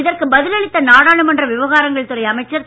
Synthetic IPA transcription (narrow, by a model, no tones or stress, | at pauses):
ɪðɐrkɯbɐðɪlɐɭɪtt̪ːɐnaːɽaːɭɯmɐndrɐʋɪʋɐɣaːɾɐŋɡɐɭt̪ɯrɐɪjɐmɐɪt͡ʃːɐɾ